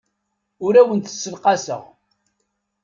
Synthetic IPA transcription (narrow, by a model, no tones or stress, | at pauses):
ʊɾæwənt̪ə̥sːəlqɑsə̰ʁ